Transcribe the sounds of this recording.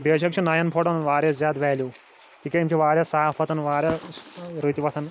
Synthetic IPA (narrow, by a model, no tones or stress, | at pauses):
beːʃɐkt͡ʃʰɐnajɐnpʰoʈɐnnʋaːɾʲjɐszʲjaːd̪ʋɛːljuː | kʰiːkʲeimt͡ʃʰiʋaːɾjasaːafʰɐt̪ɐnʋaːɾʲjaɾɨt̪ʲiʋɐt̪ʰɐn